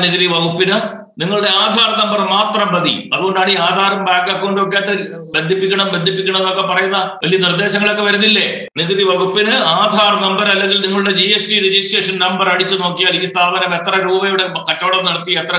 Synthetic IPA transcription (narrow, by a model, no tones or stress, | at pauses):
niɣɐðiʋɐɡupːinɐ | niŋːɐɭuɽe̞aːd̪ʱaːrɐnɐmbɐrmaːt̪rɐmbɐd̪ḭɐðuɣoɳɖaːɳiaːd̪ʱaːɾɐmbaːkːɐkːuɣoɳɖɨok̬ːejaːʈːɨ | bend̪ʱːipːikʲːɐɳɐmbed̪ʱip̬ːikʲːɐɳɐ̃mɐðo̞kːe̞pɐrɐjunːɐʋɐlijɐnird̪e̞ːɕɐŋːɐɭo̞kːe̞ʋɐɾunːilːe | niɣɐðiʋɐɡupːinɨaːd̪ʱaːrnɐmbɐɾɐlːeŋɡilniŋːɐɭuɽed͡ʑiesʈiɾid͡ʑisʈeːʂɐnnɐmbɐrɐɽit͡ɕːɨno̞ːkːijaːɭiːst̪ʰaːbɐnɐme̞t̪rɐɾuːbɐjuɽekɐtːoːɽɐmnɐɽɐt̪ːiet̪rɐ